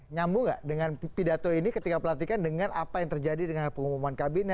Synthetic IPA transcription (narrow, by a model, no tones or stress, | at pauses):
ɲambuŋɡa̰ʔdəŋanpidat̪oinikət̪ikapəlat̪ikandəŋana̰pajaŋt̪ərd͡ʒadidəŋanpəŋumumankabina